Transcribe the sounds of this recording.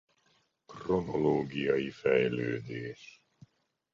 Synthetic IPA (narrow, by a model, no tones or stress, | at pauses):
kronoloːɡiɑifæjløːd̪eːs